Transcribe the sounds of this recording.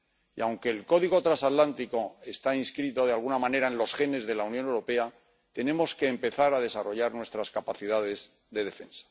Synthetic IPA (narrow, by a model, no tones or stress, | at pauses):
iawŋke̞ːlko̞ðiɣo̞t̪ɾasat̪lant̪iko̞e̞st̪ainskɾit̪o̞ðealɣ̞unamãne̞ɾaẽ̞nlo̞sxe̞ne̞zðe̞launjo̞newɾo̞pe̞a | t̪e̞nẽ̞mo̞ske̞ːmpe̞θaɾað̞e̞saro̞ʝaɾnwe̞st̪ɾaskapaθiðað̞e̞z | ðe̞ðe̞fe̞̰nsḁ